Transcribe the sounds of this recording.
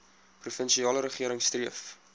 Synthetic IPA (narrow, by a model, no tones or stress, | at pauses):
prufənʃiɑːləɾəχiəɾəŋstriəf